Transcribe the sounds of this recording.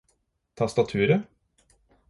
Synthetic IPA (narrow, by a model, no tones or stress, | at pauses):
t̪ʰɑst̪ɑt̪ʰʉːɾə